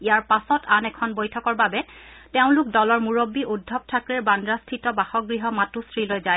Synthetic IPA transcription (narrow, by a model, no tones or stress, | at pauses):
ijaɹpasɔtʰanɛkʰɔnbojtʰɔkɔɹbabɛ | tɛʊ̃lʊk̚dɔlɔɹmuɹobːiʔudʱːɔb̚tʰakɹɛɹbandɹastʰitɔbaxɔɡɹiɦɔmatustʰɹilojzaj